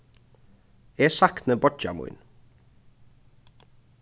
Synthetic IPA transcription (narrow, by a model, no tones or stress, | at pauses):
eːsɑkt̪nəbɔd͡ʒɑ̰mʊ̰ʏn